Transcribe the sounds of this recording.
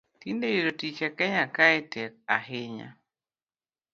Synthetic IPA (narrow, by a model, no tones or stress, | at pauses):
t̪indejeɾotit͡ʃakɛɲakaɛtɛk̚a̰ɦɪɲa̰